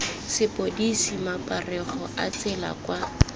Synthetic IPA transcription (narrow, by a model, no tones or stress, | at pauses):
sɪpodisimapʼarɛχɔat͡sɪla̰kwa